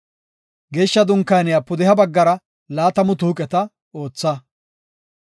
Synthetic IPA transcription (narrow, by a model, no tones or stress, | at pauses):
ɡe̞ːʃːɐd̪ʊŋkːɐjnɪjɐpːʊd̪ɪɦɐbɐɡːɐɾɐ | laːt̪ɐmʊt̪uːkʼɛt̪ɐ | o̞ːt͡sːɐ